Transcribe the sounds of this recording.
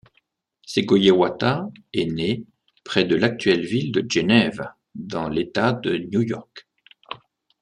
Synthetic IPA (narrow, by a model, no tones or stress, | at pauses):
seɡojewat̪aɛne | pχɛd̪əlak̚t̪ɥɛlvild̪əʒenɛv | d̪ɑ̃let̪ad̪ənjujɔʁk